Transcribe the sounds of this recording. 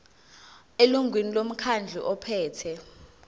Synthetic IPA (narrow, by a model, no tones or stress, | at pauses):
eluŋʱwinilom̩kʰand͡ɮʱḭʔɔpʰɛːtʰɛ